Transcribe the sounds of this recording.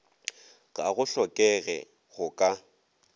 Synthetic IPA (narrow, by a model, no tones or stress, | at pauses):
ɣʼaɣʊɬɔkʼɛɣɛ̰ | ɣʊkʼa